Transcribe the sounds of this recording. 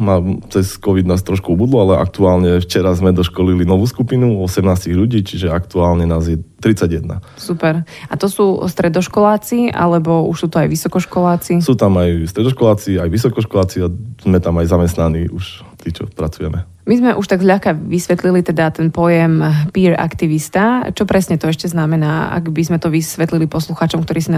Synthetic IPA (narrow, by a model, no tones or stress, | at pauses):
maːt͡sɛskɔʋid̪naːs̬t̪ɾɔʃkuɔbud̪lɔalɛʔa̰k̚t̪uaːlɲɛft͡ʃɛɾazmɛd̪ɔʃkɔlilinɔʋuːskupinuɔsɛmnaːsciɣʎuɟiːt͡ʃiʒɛakt̪uaːlɲɛnaːzjɛt̪ɾit͡saɟjɛd̪na̰ | supɛɾat̪ɔsuːst̪ɾɛd̪ɔʃkɔlaːt͡siʔa̰lɛbɔṵʃsuːt̪ɔajʋisɔkɔʃkɔlaːt͡sisuːt̪amajst̪ɾɛd̪ɔʃkɔlaːt͡siajʋisɔkɔʃkɔlaːt͡siaz̥mɛt̪amajzamɛst̪naniʔuʃ | t̪iːt͡ʃɔ̰pɾat͡sujɛmɛ | mizmɛʔuʃt̪aɡzʎaxkaʋisʋɛt̪lilit̪ɛd̪at̪ɛnpɔjɛmpiːɾa̰kt̪iʋist̪at͡ʃɔpɾɛsɲɛt̪ɔɛʃcɛznamɛnaːa̰ɡbizmɛt̪ɔʋisʋɛt̪lilipɔsluxaːt͡ʃɔmkt̪ɔɾiːs̬in